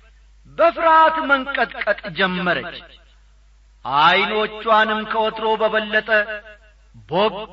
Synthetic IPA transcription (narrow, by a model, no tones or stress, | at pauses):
bɐfɨɾaːt̪mɐŋkʼɐt̪ʼkʼɐt̪ʼd͡ʒɛmːɐɾɐt͡ʃː | ʔaːjnot͡ʃːwaːnɪmkɐɔt̪ɾo̞ːbɐbɐlːɐt̪ʼɐ | bo